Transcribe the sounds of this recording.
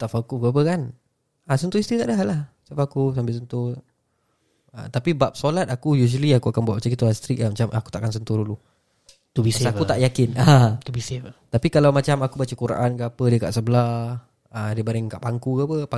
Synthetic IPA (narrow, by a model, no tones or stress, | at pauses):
t̪afakukap̬əkan | asənt̪uist̪ɾit̪aʔdəɦaʔlahsafakus̬ambɪlsənt̪u | ə̰t̪apibap̚solat̪̚akujuʒ̬əliakuakanbuat̪ʔ̚bat͡ʃakit̪uast̪ɾik̚amat͡ʃamʔa̰ku̥t̪aʔkans̬ənt̪urdulu | t̪ubisakut̪aʔjakɪnat̪ubiset̪apikalawmat͡ʃamakubat͡ʃəkuɾã̰ʔankəapədiəka̰ʔsəbəlah | ədiəbaɾɪŋkaʔpaŋkukapəpa